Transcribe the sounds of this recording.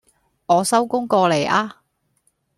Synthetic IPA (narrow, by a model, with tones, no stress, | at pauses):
ŋɔː˨˧sɐ˥wkʊ˥ŋkɔː˧le˨˩jaː˧